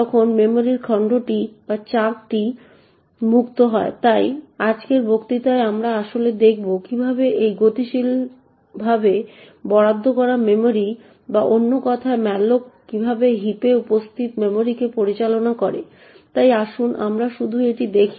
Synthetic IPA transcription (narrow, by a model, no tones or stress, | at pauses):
ɔkʰonmemoɾiɾkʰaɳɖoʈibat͡ɕak̚ʈi | mukt̪oɦɔet̪ajad͡ʑkeɾbʱokt̪it̪aeamɾaaʃoled̪ek̚ʰbokibʱabeʔejɡot̪iʃil | bʱabe | bɔɽad̪ʱːokɔɾamemoɾi | baʔonːokɔt̪ʰaemɛlokkibʱabeɦipeupost̪ʰit̪memoɾikepoɾit͡ɕalonakɔɾḛ | t̪ajaʃunʔa̰mɾaʃud̪ʱueʈid̪ekʰi̥